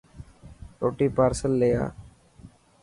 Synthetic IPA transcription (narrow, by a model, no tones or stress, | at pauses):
ʈoːʈiːpaːɾsəlːeja̰ː